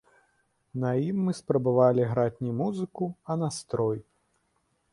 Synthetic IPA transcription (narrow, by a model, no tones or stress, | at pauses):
nɐjimːɨspɾɐbavalʲiɣɾat͡sʲnʲɛmuzɨkuɐnast̪ɾɔj